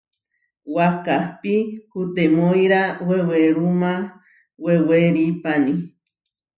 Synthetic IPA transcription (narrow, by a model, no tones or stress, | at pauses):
wakahpihut̪emojɾaweweɾuma | weweɾipani